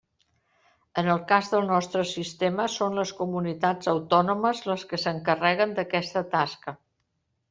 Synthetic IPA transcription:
ənəlˠkazðəlˠnɔst̪ɾəsist̪eməsonləskumunit̪ad͡zəwt̪ɔnuməzləskəsəŋkərɛɣənd̪əkɛst̪ət̪askə

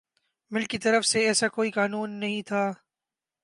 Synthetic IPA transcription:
mɪlkːit̪ɐɾəfseɛːsakoːikaːnuːnːɐɦĩt̪ʰaː

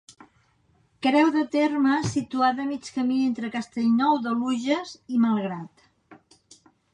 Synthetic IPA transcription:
kɾɛwðət̪erməsit̪uat̪əmit͡ʃkəmient̪ɾəkəst̪eʎnɔwðəluʒəziməlˠɣɾat̪

